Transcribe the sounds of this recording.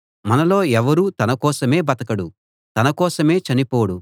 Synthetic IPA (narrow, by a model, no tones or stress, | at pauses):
mɐnɐlo̞ːɛʋɐɾut̪ɐnɐkɔːsɐme̞ːbɐt̪ɐkɐɽu | t̪ɐnɐkɔːsɐme̞ːt͡ʃɐnipoːɽu